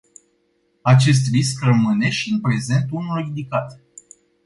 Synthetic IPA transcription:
at͡ʃe̞s̬t̪riskrəmɨne̞ʃiɨnpɾe̞ze̞nt̪unulind̪ikat̪

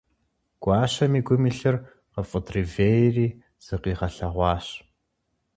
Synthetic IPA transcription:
ɡ̥ʷʼɑːɕɐmiːɡʷʊmiːɬɨr | qəfʼətriːveːjriː | z̥ɨqiːʁɐɬɐʁʷɑːɕ

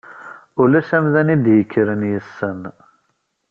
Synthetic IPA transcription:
ʊlæsæmðænid̪jəkʰːəɾənjəsːən

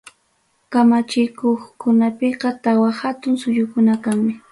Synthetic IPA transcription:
kamat͡ʃɪkoχkʊnapeqɑt̪awahat̪ʊŋsʊjʊkʊnakaŋmɪ

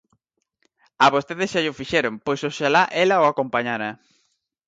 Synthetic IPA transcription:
aβost̪eðɪsʃaʎʊfiʃeɾʊŋpojsoʃalaʔelaoakompaɲaɾa

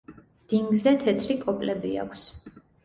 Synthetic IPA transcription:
d̪̥iŋɡzɛt̪ʰɛt̪ʰɾikʼɔpʼlɛbia̰kʰs

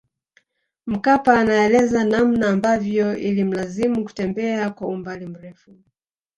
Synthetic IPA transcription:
m̩kapaːnaɛlɛzanam̩naːmbavjɔilim̩lazimuku̥tɛmbɛakwaumbalim̩ɾɛfu

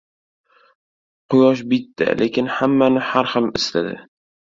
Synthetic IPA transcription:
qʰʊjɒʃbɪt̪ːɪ̰lʔekʲɪnhamːanɪhaɾhɨlɪslad̪ɪ̰

